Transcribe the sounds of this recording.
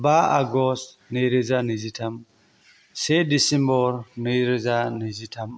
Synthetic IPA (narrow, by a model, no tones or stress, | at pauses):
baaɡɔs | nejɾizanid͡ʒitam | sɛdisimbɔɾneɾezanid͡ʒitʰam